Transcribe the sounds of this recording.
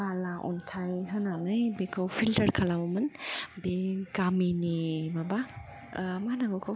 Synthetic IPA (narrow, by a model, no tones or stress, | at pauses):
alaʔɔ̰ntʰajɦanaŋɯjbekʰɯwpʰiltəɾkʰalabɔmɯnbiɡaminimaba | manaɡɔkʰo